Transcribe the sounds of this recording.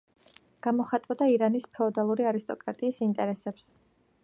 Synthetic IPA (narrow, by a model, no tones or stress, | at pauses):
ɡ̥amɔχat̪ʼɔd̪aiɾanispʰɛɔd̪alˠuɾiaɾist̪ʼɔkʼɾat̪ʼiːsint̪ʼɛɾɛsɛps